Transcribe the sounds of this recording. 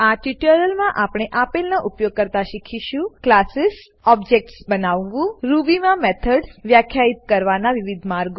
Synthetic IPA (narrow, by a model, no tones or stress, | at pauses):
aʈiʈəɾəlmãʔapɽ̃eʔapelnaʔupjoɡ̚kəɾt̪aʃikʰiʃũklasɪs | ɔbd͡ʒek̚ʈsbənaʋːũɾuʋimãmet̪ʰəɖsʋjakʰjait̪̚kəɾʋanaʋiʋid̪ʱmaɾɡ